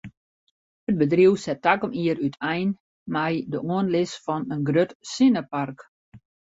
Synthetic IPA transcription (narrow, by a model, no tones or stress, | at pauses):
hət̚bədriwsɛtakɔmiəɾytʰɛjn | mɛjdəuənlɪsfɔnənɡrøtsɪnəpark